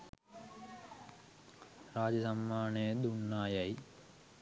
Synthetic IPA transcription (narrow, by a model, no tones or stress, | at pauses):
ɾaːd͡ʒɐsɐmːaːnejd̪unːaːjɐj